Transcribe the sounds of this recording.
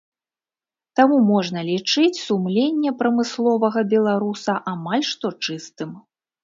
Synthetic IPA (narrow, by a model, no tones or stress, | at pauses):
t̪amumɔʐnɐlʲit͡ʂɨt͡sʲsumlʲenʲːɛpɾɐmɨslˠɔvɐɣɐbʲɛlˠaɾusɐʔamalʲʂt̪ɔt͡ʂɨst̪ɨm